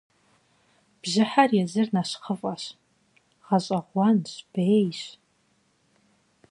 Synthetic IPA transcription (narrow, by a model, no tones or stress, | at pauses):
b̥ʒɪħarjazɨrnaʃχəfʼaʃ | ʁaɕʼaʁʷanɕb̥ejɕ